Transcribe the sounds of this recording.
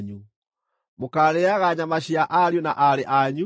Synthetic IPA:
ɲu | mokaːlɛaɣaɲamaɕiaʔaɾjonaʔaɾeʔaɲu

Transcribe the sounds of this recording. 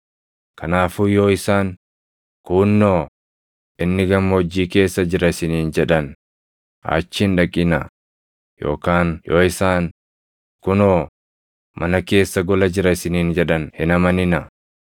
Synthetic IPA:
kɐnaːfuːjoːɪsaːn | kuːnːoː | ʔɪnːɪɡɐmːod͡ʒːiːke̞ːsːɐd͡ʒɪɾɐɪsɪniːnd͡ʒɛᶑɐn | hɐ̰t͡ʃːɪnᶑɐkʼːɪnɐ | jo̰ːkaːnjoːɪsaːn | kʊnoː | mʔɐnɐke̞ːsːɐɡɔlɐd͡ʒɪɾɐɪsɪniːnd͡ʒɛᶑɐnhɪnɐmɐnɪnɐ

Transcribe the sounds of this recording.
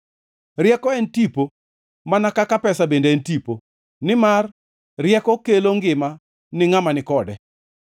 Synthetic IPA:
ɾjɛkɔɛntipo | manakakapɛsabendeɛntipo | nɪmarː | jɛkɔkeloŋɡɪma | nɪŋamanɪkɔdɛ

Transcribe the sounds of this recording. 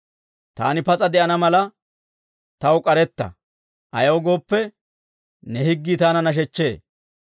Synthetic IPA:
t̪a̰ːnɪpɐt͡sʼɐd̪ɛʔɐnɐmɐlɐ | t̪ɐwʊkʼɐɾɛt̪ːɐ̰ | ʔɐjɐwʊɡo̞ːpːɛ | nɛhɪɡːit̪aːnɐnɐʃ̬ɛt͡ʃːe̞ː

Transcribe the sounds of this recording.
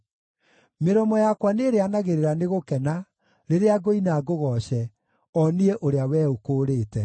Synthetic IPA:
meɾɔmɔjakwaneːɾeanaɣeɾeɾaneɣokɛna | ɾeɾeaɡoinaɡoɣɔɕɛ | ɔnieʔoɾeawɛːokoːɾeːtɛ

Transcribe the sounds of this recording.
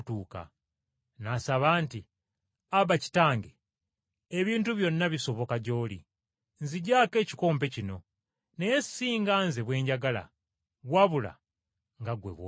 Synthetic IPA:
tuːka̰ | nasaβaːnti | aβaci̥taːŋɡe | eβiːntuβjo̞nːaβiso̞βo̞kaɟo̞ːli | nziɟaːke̞ːci̥ko̞ːmp̬e̞cino̞ | nejesi̥siːŋɡaːnze̞βwe̞ːɲɟaɡala̰ | βwaβula̰ | ŋɡaɡwe̞̰βwo

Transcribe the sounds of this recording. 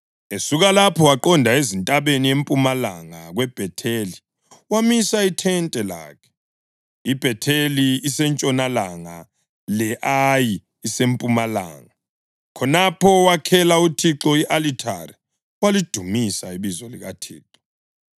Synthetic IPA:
esuɣalapʰɔwaǃɔndʱaezintʼaβeniempʼumala̰ŋaɣwɛb̥ʱɛtʰeli | wamisaitʰɛntʼɛla̰ːkʰɛ̥ | ib̥ʱɛtʰeliːsɛnt͡ʃʼɔnalaŋa | lɛʔajiː | sempʼumala̰ːŋa | kʰɔnapʰɔwakʰɛlautʰiǁɔiʔalitʰa̰ri | walid̥ʱumisaiβizɔlḭɣa̰tʰḭːǁɔ̥

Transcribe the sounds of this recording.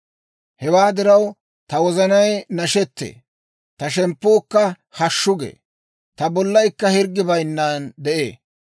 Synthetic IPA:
hɛwaːd̪ɪɾɐw | t̪ɐwɔzɐnɐjnɐʃɛt̪ːḛː | t̪ɐʃɛmpːoːkːɐ | hɐʃːʊɡḛː | t̪ɐbɔlːɐjkːɐhɪɾɡːɪbɐjnːaːnd̪ɛʔḛː

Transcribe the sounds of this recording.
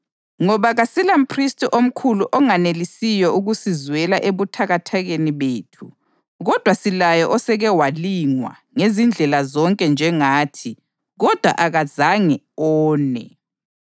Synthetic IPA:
ŋɔβaɣasilam̩pʰristʼiʔom̩kʰuluʔɔŋanelisijɔʔuɣusizwɛlaʔeβutʰaɣatʰaɣeniβeːtʰu | ɣɔd̥ʱwasilajɔʔɔsɛɣɛwaliŋwa̰ | ŋezind͡ɮʱɛlazɔŋkʼɛnd͡ʒʱɛŋaːtʰi | ɣɔd̥ʱwa̰ʔaɣazaŋɛ | ɔːnɛ

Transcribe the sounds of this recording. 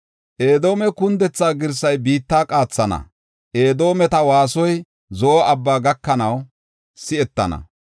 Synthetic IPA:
ʔe̞ːd̪o̞ːmɛkʊnd̪ɛt͡sːaːɡɪɾs̬ɐjbiːt̪ːaːkʼaːt͡sːɐnɐ̰ | ʔe̞ːd̪o̞ːmɛt̪ɐwaːsɔj | zɔɐbːaːɡɐkːɐnɐw | sɪɛt̪ːɐ̰nɐ̰

